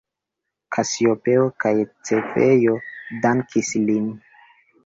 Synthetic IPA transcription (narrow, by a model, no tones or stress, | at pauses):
kʰasiopeokajt͡sefḛjodaŋkislin